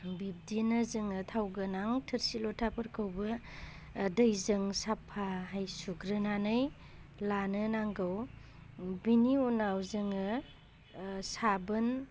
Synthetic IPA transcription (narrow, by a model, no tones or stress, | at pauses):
bib̚dinazɯŋɯtʰawɡɯnaŋtʰəɾsilɔtʰapʰɯɾkʰɯwbɯ | dɐjzɯŋsapʰaɦajsuɡɾɯnanɯj | lanɯnaŋɡɯw | biniunawzɯŋɯ | sabɯn